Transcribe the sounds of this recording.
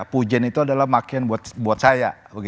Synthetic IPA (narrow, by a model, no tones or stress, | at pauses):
pud͡ʒɛnit̪uadalahmakianbuat̪buat̪̚saja | bəɡi